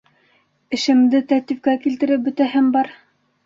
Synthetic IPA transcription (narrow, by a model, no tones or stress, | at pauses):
ɘ̆ʃɘ̆md̪ɘt̪æk̚t̪ifkækilt̪ɘ̆ɾɘp̚bɵ̆t̪æɦɘmbɑɾ